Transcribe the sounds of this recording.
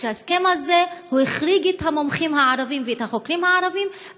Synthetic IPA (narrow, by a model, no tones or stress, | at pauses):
easke̞mhaze̞hueχʁiɡethamomχimhaaɾavimveethaχo̞kɾimhaaɾavim